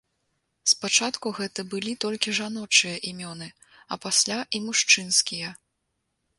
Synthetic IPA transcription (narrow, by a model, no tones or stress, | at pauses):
spat͡ʂat̪kuɣɛt̪ɐbɨlʲit̪ɔlʲkʲiʐanɔt͡ʂɨjɐʔimʲɔnɨ | ɐ̰pasʲlʲaʔimuʂt͡ʂɨnskʲijɐ